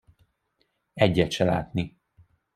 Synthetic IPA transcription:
ɛɟːɛt̪ʃɛla̰ːt̪ni

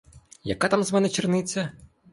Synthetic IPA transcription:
jɐ̰kat̪amzmɛnɛt͡ʃɪrnɪt͡sʲːɐ

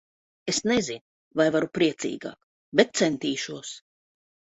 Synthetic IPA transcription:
esnɛzin | vajvaɾupɾiɛt̪sḭːɡa̰ːk | bet̪̚t̪sɛnt̪iːʃuɔs

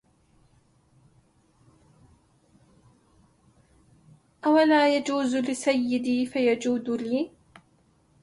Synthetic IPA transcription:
ʔawalaːjad͡ʒuːzlɪsajːɪd̪iːfajad͡ʒuːd̪liː

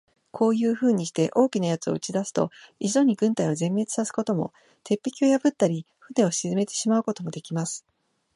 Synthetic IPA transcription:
kʰo̞ːjɯ̟ːɸɯ̟ːɲ̟ːiɕi̥t̪e̞ʔo̞ːkʲinajat͡sɨo̞̰ɯ̟t͡ɕid̪asɨ̥t̪o̞̰izo̞ɲ̟iɡɯ̟̃nt̪aijo̞zẽ̞mːe̞t͡sɨ̥sasɨ̥ko̞t̪o̞mo̞̰ | t̪e̞pʲːikʲio̞jabɯ̟t̪ːaɾʲi | ɸɯ̟ne̞o̞ɕizɨme̞t̪e̞ɕimaɯ̟ko̞t̪o̞mo̞d̪e̞kʲimasɨ̥

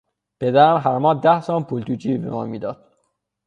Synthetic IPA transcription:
pʰe̞d̪æɾæmɦæɾmɒːd̪æhsɒːnpʰult̪uːt͡ʃʰiːbḛmɒ̰ːmiːd̪ɒːd̪̥̚

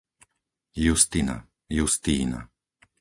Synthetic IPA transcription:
just̪ina̰ | just̪iːna̰

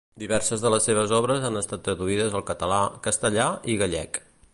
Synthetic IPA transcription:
d̪iβɛɾsəzðələsːeβ̞əzɔβɾəzanəst̪at̪ːɾəðuiðəzəlˠkət̪əlakəst̪əʎaiɣəʎɛ̰k

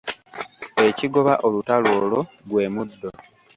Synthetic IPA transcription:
e̞ciɡo̞βaʔo̞lutaloːlo̞ | ɡwe̞ːmudːo̞

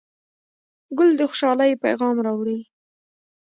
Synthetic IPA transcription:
ɡʊld̪əxʊ̥ʃɑlajpa̰jɣɑmɾɑwɽi

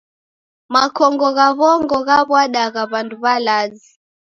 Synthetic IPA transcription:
makɔŋɡɔɣaβɔŋɡɔɣaβwaɗaɣaβanduβalazi

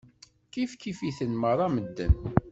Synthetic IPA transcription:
kifkifiθənməɾˤæməd̪ːən

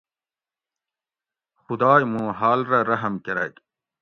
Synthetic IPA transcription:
xud̪aːjmũːɦaːlɾɐɾɐɦɐmkeɾa̰k

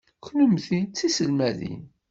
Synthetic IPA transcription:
knəmθit͡sːisəlmæðḭn

